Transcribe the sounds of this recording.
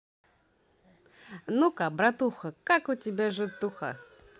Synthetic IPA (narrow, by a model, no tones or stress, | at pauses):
nukabɾɐt̪uxɐkakʊtʲɪbʲaʐɨt̪ːuxa̰